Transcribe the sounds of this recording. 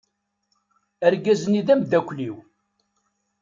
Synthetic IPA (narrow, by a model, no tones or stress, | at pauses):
æɾɡæzəniðæmd̪ækʷːliw